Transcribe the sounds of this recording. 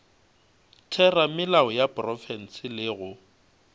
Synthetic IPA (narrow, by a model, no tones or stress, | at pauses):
tʰɛramɪlaɔjapʼrɔfɛn̩sɪlɪɣʊ